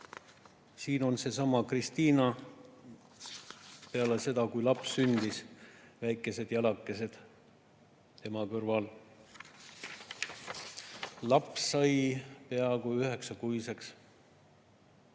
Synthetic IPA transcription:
siːno̞nse̞sɑmɑkrist̪iːnɑ | pe̞ɑlese̞d̪̥ɑkujlɑpsːynd̪̥isvæjkːˑe̞se̞d̪̥jɑlɑkːˑe̞s̬e̞d̪̥ | t̪e̞mɑkørvɑl | lɑpsːɑjpeɑkuyhe̞ksɑkujse̞ks

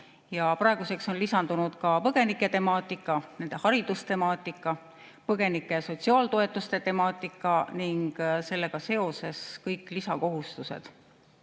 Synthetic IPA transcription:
jɑprɑeɡ̥use̞kso̞nlisɑnd̪unud̪kɑpɤɡ̥e̞nikːˑe̞t̪e̞mɑːt̪ːˑikːˑɑne̞nd̪e̞hɑɾid̪ust̪e̞mɑːt̪ːˑikˑːɑ | pɤɡ̥e̞nikːˑe̞so̞t̪siɑːlt̪o̞e̞t̪ːˑust̪e̞t̪e̞mɑːt̪ːˑikːˑɑniŋɡ̥se̞lːe̞ɡ̥ɑse̞o̞se̞skɤjkːˑlisɑko̞ɦust̪use̞̰d̪̥

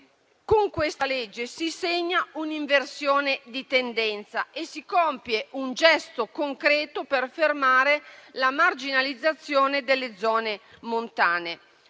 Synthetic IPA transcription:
koŋkwest̪aled͡ʒːesiseɲːauniɱversjoːned̪it̪end̪ɛnt̪saʔesikɔmpjeʔund͡ʒɛst̪okoŋkɾɛːt̪operfermaːɾelamard͡ʒinalid̪zːat̪sːjoːned̪elːed̪zɔːne | mont̪aːne

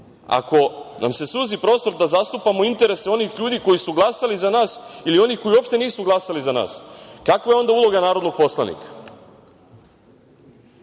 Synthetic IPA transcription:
a̰ko̞nʔa̰mse̞suːzipɾo̞ːst̪o̞ɾd̪azast̪upamo̞int̪e̞ɾe̞seo̞niːxʎuːd̪iko̞jisuɡlˠasalizanaːsilio̞nixko̞jio̞pʃt̪e̞niːsuɡlˠasalizana̰ːskakʋajeo̞nd̪aulˠo̞ɡanaːɾo̞d̪noɡ̚po̞slˠa̰nḭkʰḁ

